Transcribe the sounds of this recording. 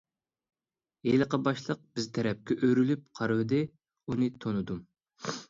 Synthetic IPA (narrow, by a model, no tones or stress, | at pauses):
jeləqɑbɑʃlˠəq̚b̥ɪzt̪ʰɛɾɛp̚kʲɛʔøɾylyp̚qʰɑɾwɨd̪ɨ | unɨt̪ʰonɨd̪um